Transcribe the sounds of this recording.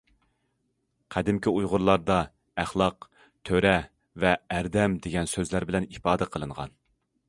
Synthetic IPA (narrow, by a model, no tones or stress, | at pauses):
qʰæd̪ɪmkʲiujʁʊɾlˠɑɾd̪ɑ | æχlˠɑq | t̪ʰøɾɛ | vɛːɾd̪ɛmd̪eɡʲɛnsøzlæɾbɪlɛnipɑːd̪ɛqʰəlˠɨɴʁɑ̰n